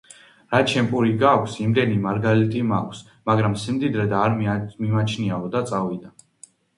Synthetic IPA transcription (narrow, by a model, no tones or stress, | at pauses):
ɾat͡ʃʰɛmpʼuɾiɡakʷʰsimd̪ɛnimaɾɡalit̪ʼimakʷʰs | maɡɾamsimd̪id̪ɾɛd̪aːɾmimat͡ʃʰniaɔd̪at̪sʼavid̪a